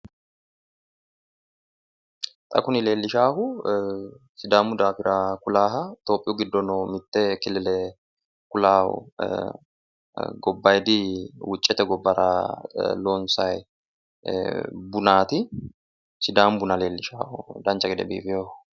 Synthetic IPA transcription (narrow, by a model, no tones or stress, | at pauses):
t̪ʼɐ̰kʊnɪle̞ːlːɪʃaːhʊ | sɪd̪aːmʊd̪aːfɪɾakʊlaːɦɐt̪o̞ːpʼːɪjʊɡɪd̪ːɔnɔmɪt̪ːɛkɪlɪlɛ | kʊlaːhʊ̰ | ɡɔbːɐjd̪ɪwʊt͡ʃʼːɛt̪ɛɡɔbːɐɾɐloːnsɐj | bʊnaːt̪ɪ | sɪd̪aːmbʊnɐle̞ːlːɪʃa̰ːhʊ̰d̪ɐnt͡ʃːɐɡɛd̪ɛ̰bḭːfɪjoh